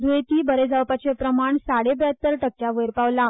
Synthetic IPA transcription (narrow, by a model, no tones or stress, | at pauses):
d̪uet̪iːbəɾed͡zawpat͡ɕepɾəmaɳsaɽebat̪ːəɾʈək̚t͡ɕaʋəjɾpaʋla